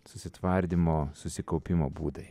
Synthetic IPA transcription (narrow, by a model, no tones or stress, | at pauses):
sʊsʲɪt̪ʋɐɾʲd̪ʲimoːsʊsʲɪkɒʊpʲɪmoːbuːd̪ɐɪ